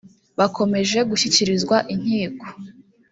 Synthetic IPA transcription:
βakʰo̞me̞ʒe̞ɡuçiciɾizɡwaʔiɲ̥iːko̥

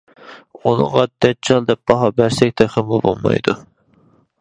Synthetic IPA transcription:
unɨ̰ŋʁɑd̪̥ɛt̪̚t͡ʃʰɑlˠd̪ɛp̚bɑɦɑbæɾsɛkʲt̪ʰɛχɪmubolˠmɑ̰jd̪u

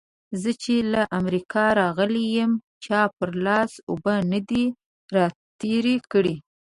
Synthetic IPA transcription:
zət͡ʃelaʔamɾikɑɾɑɣəlejəm | t͡ʃɑpəɾlɑsobənad̪i | ɾɑt̪eɾekəɽi

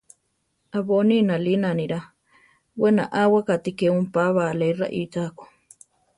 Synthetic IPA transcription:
aβoninãlinaniɾa | wenaʔawakat̪ikeumpaβalera̰ʔitako̥

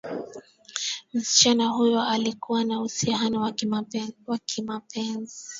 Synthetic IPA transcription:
m̩si̥t͡ʃanaɦujɔalikuwanausihanɔw | wakʰimapʰɛnzii

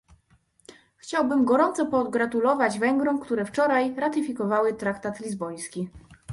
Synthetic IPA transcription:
xt͡ɕawbɘmɡɔɾɔnt̪sɔpɔɡɾat̪ulɔvad͡ʑvɛŋɡɾɔw̃kt̪uɾɛft͡ʂɔɾajɾat̪ɘfʲikɔvawɘt̪ɾakt̪at̪lʲizbɔj̃skʲi

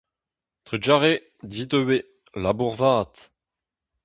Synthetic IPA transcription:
t̪ed͡ʒaʁe | dit̪øwe | labuʁvaːt̪

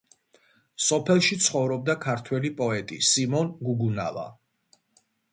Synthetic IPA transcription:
sɔpʰɛlˠʃit̪sʰχɔvɾɔb̚d̪akʰaɾt̪ʰwɛlipʼɔɛt̪ʼḭsimɔnɡuɡuna̰va̰

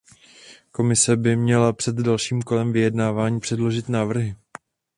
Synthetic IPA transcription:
ko̞mɪsɛbɪmɲɛlapr̥ɛd̪dalʃiːmko̞lɛmvɪjɛdnaːvaːɲiːpr̝̥ɛdlo̞ʒɪt̪naːvr̩ɦɪ

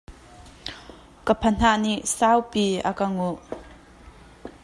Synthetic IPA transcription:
kəpʰən̥aʔniʔsawpiakɐŋuʔ

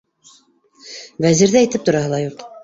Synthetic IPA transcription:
væziɾðæĭt̪ɘp̚t̪ŏɾɑɦɤlˠɑjuq

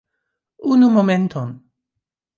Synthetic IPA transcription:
unumoment̪ʰon

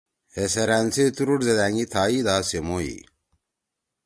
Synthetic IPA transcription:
heseɾænt͡set̪uɾuʈzed̪æŋɡit̪ʰaːid̪aːsemoḭ

